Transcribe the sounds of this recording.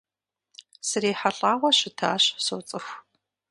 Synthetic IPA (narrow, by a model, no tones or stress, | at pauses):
sɨriːħaɬʼaːwʷɐɕɪtʰa̰ːɕsowt͡sʼɨxʷ